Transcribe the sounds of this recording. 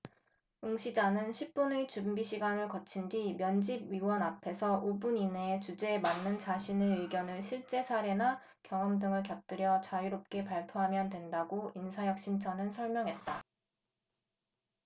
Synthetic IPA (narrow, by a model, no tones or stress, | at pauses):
uŋɕʰid͡ʑanɯnɕʰip̚p͈unet͡ɕumbiɕʰiɡanɯɭkʌt͡ɕʰindwimjʌnd͡ʑib̚ɥiwʌnapʰe̞sʰʌʔubunineːt͡ɕud͡ʑe̞ːmanːɯnt͡ɕaɕʰineɯɡjʌnɯɭɕʰiɭt͡ɕ͈e̞sʰaɾe̞na | kjʌŋʌmdɯŋɯɭkjʌp̚t͈ɯɾjʌt͡ɕajiɾop̚k͈e̞paɭpʰjoɦamjʌndwe̞ndaɡoinsʰajʌk̚ɕ͈imt͡ɕʰʌnɯnsʰʌɭmjʌŋɦe̞t̚t͈a